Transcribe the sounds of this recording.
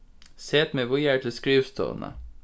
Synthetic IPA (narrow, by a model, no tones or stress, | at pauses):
seːt̪meːʋʊjæːʈ̪ʰɪl̩skɹiːʋst̪ʰṵːnə̰